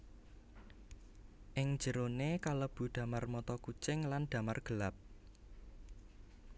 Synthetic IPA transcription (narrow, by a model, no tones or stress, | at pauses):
ʔɪŋ̥d͡ʒ̥ə̤ɾonekaləb̥ṳd̪̥ä̤marmɔt̪ɔkut͡ʃɪŋlanɖ̪̥ä̤marɡ̥əlap̚